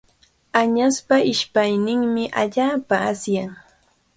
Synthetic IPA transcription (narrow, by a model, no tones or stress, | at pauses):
aɲaspaɪʃpajnɪŋmɪʔaʎaːpaasjaŋ